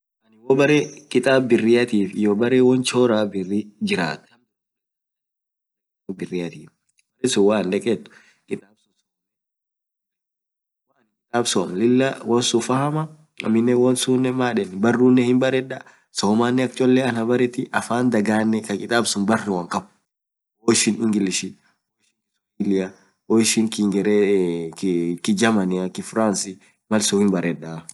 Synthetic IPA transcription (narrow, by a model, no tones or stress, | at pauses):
ɐnɪwɔbɐɾekʼɪt̪ʼaːbbɪrːɪjɐt̪iːfɪjoːbɐɾeːwɔnt͡ʃoːɾaːbɪrːid͡ʒɪɾa̰ːt̪ | abɪrːɪjɐt̪iː | brɛsʊwaːnᶑ̪ɛkʼɛt̪ːʊ̥ | kʼɪt̪ʼaːbu | ɐnkʼɪt̪ʼaːbsɔːmlɪlːɐwɐnsʊfɐhɐmɐ | ɐ̰mɪnːɛwɐnsuːnːɛmaːᶑɛnbɐrːuːnːɛhɪmbɐɾɛᶑa | soːmaːnːɛɐk̚t͡ʃʼɔlːɛɐnhɐbɐɾɛt̪ɪʔɐfaːnd̪ɐɡaːnːɛkɐkʼɪt̪ʼaːbsʊnbɐrːɪwɐŋkʼɐb | oɪʃɪnɪŋɡɪlɪʃɪ | oʃɪŋkɪs | ɡɪlɪɐ | ɔɪʃɪŋkɪŋɡɛɾɛ | kɪd͡ʒɐmɐnɪɐkɪfɾaːnsɪ | mɐlsʊhɪmbɐɾɛᶑa